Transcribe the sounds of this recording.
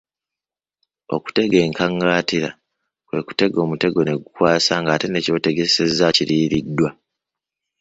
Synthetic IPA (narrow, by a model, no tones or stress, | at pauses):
o̞̰ku̥te̞ɡe̞ːŋkaŋɡaːtiɾa̰ | kwe̞ku̥te̞ɡo̞ːmute̞ɡo̞ne̞ɡukwaːsaŋɡaːte̞ne̞co̞ːte̞ɡe̞se̞zːaciɾiːɾidːwa